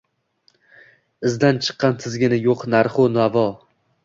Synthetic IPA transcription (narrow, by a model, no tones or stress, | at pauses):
ɪzd̪ant͡ʃʰɨ̥qʰːɑnt̪ʰɪzɡʲɪnɪjoqnaɾχonavɒ